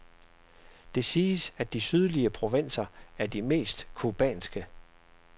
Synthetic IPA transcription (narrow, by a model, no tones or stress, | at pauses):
d̥e̝siːsæd̥isyð̞ˠliəpʰʁo̝ʋe̝n̰sɐæɐd̥ime̝̰ːsd̥kʰub̥ɛ̰ːnsɡ̥ə